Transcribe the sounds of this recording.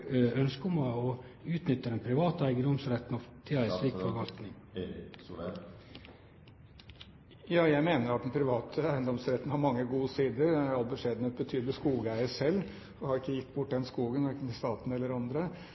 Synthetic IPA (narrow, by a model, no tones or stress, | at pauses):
œnskʊmɑɔ | ʉːt̪nʏt̪ːəd̪ɛnpʰɾɪʋɑːt̪əæɪɡənd̪ɔmsɾɛt̪ːnɔt̪ʰɪæɪsliːkfɔɾʋɑlk̪nɪŋ | jɑːjæɪmeːnəɾɑt̪d̪ɛnpʰɾɪʋɑːt̪ʰəæɪənd̪ɔmsɾɛt̪ːn̩hɑɾmɑŋːəɡuːsiːd̪əɾɑlbəʂeːd̪ənət̪̚bət̪ʰyːd̪lɪskuːɡæɪəsɛlː | ɔhɑɾɪkːəjɪt̪ːbʊʈːd̪ɛnskuːɡənɔɾɪkːət̪ɪst̪ɑːt̪n̩ɛlːəɾɑnd̪ɾə